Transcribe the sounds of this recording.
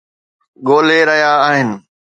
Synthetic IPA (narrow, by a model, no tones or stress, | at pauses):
ɠoːleɾɐɦjaːɦɪnɪ̆